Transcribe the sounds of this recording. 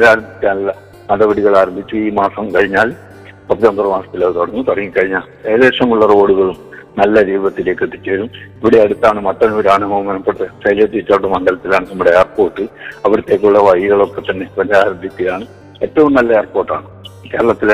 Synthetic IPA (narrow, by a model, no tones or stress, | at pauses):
ɾaːɾɐmbʱit͡ɕːaːnɐlːɐ | mɐðɐʋɐɽiɣɐɭaːɾɐmbʱit͡ɕːuiːmaːsɐmkɐɻiɲːaːl | pɐiɐnd̪ɐrɐmaːsɐ̥t̪ːilɐðt̪oɽunːut̪ɐrɐŋːikːɐɻiɲːaːle̞ːðe̞ːʂɐmuɭːɐro̞ːɽuɣɐɭumnɐlːɐɾiːʋɐt̪ːile̞ːkːɨʈ̪ːit͡ɕːeːɾumiʋiɽeɐɽut̪ːaːɳɨmɐt̪ːɐnoɾaːɳɐmɐmɐnɐpːeɽt̪ːesɐjlɐt̪ːit͡ɕːaːɽːɐmɐŋɡɐlɐt̪ːilaːɳɨnɐmːuɽe̞eːrpo̞ːʈːɨɐʋɐɾɐt̪ːe̞ːk̬ːuɭːɐʋɐjiɣɐɭo̞kːet̪ːɐnːe̞pɐnaːɾɐmbʱit̪ːijaːɳɨ | e̞tːɐʋumnɐlːɐeːrpo̞ːrʈːaːɳɨke̞ːɾɐɭɐt̪ːil